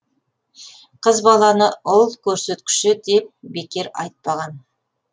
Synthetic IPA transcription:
qʰəzbɑlˠɑnəʊlˠkʲʰɵɾse̞t̪kʲɪ̥ʃɪd̪e̞p̚be̞kʲe̞ɾɑ̰jt̪̚pɑʁɑn

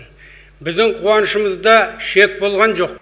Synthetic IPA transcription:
bɪzd̪ɪɴqʰuwɑnəʃəməzd̪ɑʃe̞k̚bo̞lˠʁɑnʒo̞q̚

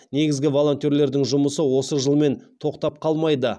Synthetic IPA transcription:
ne̞ɡʲɪzɡʲɪvo̞lˠo̞nt̪ʲjo̞ɾle̞ɾd̪ɪŋʒʊməsəwo̞səʒəlˠme̞nt̪ʰo̞qt̪ɑp̚qʰɑlˠmɑjd̪ə

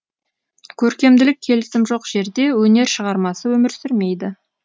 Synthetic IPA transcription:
kʲʰɵɾkʲe̞md̪ɪlɪk̚ʲʰːe̞lɪsɪmʒo̞qʒ̥e̞ɾd̪e̞wɵne̞ɾʃəʁɑɾmɑsəwɵmɪɾsɪɾme̞jd̪ɪ

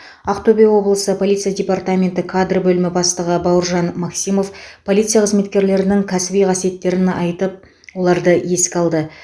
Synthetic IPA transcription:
ɑqt̪obʲejwo̞blˠəsəpʰo̞lʲijt̪sɨjadʲe̞part̪amʲe̞nt̪ɪkʰad̪rbɵlɪmɪbɑst̪əʁəbɑwəɾʒɑnmɑksimo̞fpʰo̞lˠijt̪sɨjaqʰəzme̞t̪kʲe̞ɾle̞ɾɪnɪŋkʲʰæsɪbijqʰɑsije̞t̪ːe̞ɾɪnɑjt̪əp̚ | wo̞lˠɑɾd̪əje̞skʲɑlˠd̪ə

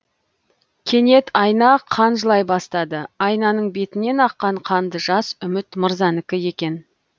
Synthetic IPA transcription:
kʲʰe̞ne̞t̪ʰɑjnɑqʰɑnʒəlˠɑjbɑst̪ɑd̪əɑjnɑnəɴbe̞t̪ɪne̞nɑqːɑɴqʰɑnd̪əʒɑsʏmɪt̪məɾzɑnɪkʲɪje̞kʲe̞n

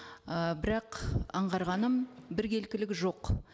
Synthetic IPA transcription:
əbɪɾɑqɑɴʁɑɾʁɑnəmbɪɾɡʲe̞lkʲɪlɪɡʲɪʒo̞q

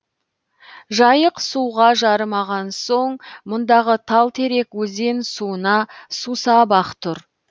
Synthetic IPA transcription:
ʒɑjəqsuʁɑʒɑɾəmɑʁɑnso̞ɴmʊnd̪ɑʁət̪ʰɑlˠt̪ʰe̞ɾe̞kwɵze̞nsuənɑsusɑbɑqt̪ʰʊɾ

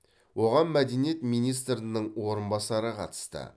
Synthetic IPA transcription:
wo̞ʁɑnmæd̪enijet̪mijnijs̬t̪ɾənəɴwo̞ɾənbɑsɑɾəqʰɑ̰t̪ə̥st̪ə̰

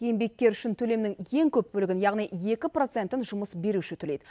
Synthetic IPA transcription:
je̞mbe̞k̚kʲːe̞ɾʏʃɪnt̪ʰɵle̞mnɪŋje̞ŋkʲʰɵp̚bɵlɪɡʲɪnjɑʁnije̞kʲɪpro̞t̪se̞nt̪ɪnʒʊməsbe̞ɾuʃɪt̪ʰɵlejd̪ɪ

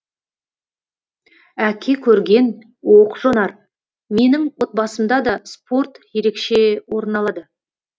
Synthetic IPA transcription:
ækʲʰe̞kʲʰɵɾɡʲe̞n | woqʒ̥onɑɾ | me̞nɪŋwo̞t̪̚bɑsəmd̪ɑd̪ɑspo̞rt̪je̞ɾe̞kʃe̞wo̞ɾənɑlˠɑd̪ə

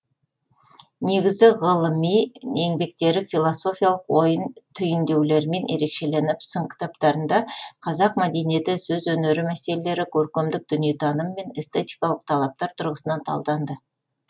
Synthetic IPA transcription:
ne̞ɡʲɪzɡʲɪʁəlˠəmijne̞ŋbe̞k̚t̪e̞ɾɪfijlˠoso̞fijalˠəqwo̞jənt̪ʰʏjɪnd̪e̞wle̞ɾɪme̞nʔe̞̰ɾe̞kʃe̞le̞nɪpsəɴkʲʰɪ̥t̪ɑpt̪ɑɾənd̪ɑqʰɑzɑqmæd̪e̞nije̞t̪ɪsɵzwɵneɾɪmæse̞lele̞ɾɪkʲʰɵɾkʲemd̪ɪk̚d̪̥ʏnjet̪ʰɑnəmːe̞nest̪et̪ʲijkɑlˠəq̚t̪ʰɑlˠɑp̚t̪ɑɾt̪ʰʊɾʁəsənɑnt̪ʰɑ̰lˠd̪ɑnd̪ə

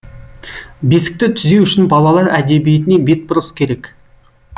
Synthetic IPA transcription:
besɪ̥k̚t̪ɪt̪ʰʏze̞wʏʃɪnbɑlˠɑlˠɑɾæd̪ebijet̪ɪne̞be̞t̪̚bʊɾəskʲʰe̞ɾe̞k

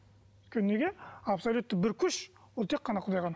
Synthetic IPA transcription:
t̪kʲʰenːeɡʲeapsolʲut̪ːəbɪɾkʲʰʏʃ | wolˠt̪ʰe̞qːɑnɑqʰʊd̪ɑjʁɑn

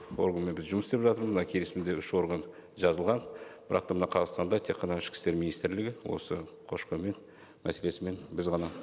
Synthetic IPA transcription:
wo̞̰rɡənme̞nbɪzʒʊməsepʒɑt̪əɾməzmənɑkʲʰe̞lesmɪnd̪e̞ʏʃo̞ɾɡənʒɑzəlˠʁɑnb̥ɪɾɑq̚t̪ɑmənɑqʰɑzɑq̪st̪ɑnd̪ɑt̪ʰe̞kqːɑnɑɪʃkʲɪ̥st̪e̞ɾminijst̪ɾlɪɡʲɪwo̞̰səqʰo̞ʃqəme̞n | mæ̰se̞le̞sɪme̞nbɪzʁɑnɑ

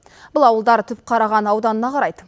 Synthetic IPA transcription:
b̥ʊlˠɑwəlˠd̪ɑɾt̪ʰʏp̚qʰɑɾɑʁɑnɑwd̪ɑnənɑqʰɑɾɑjd̪ə

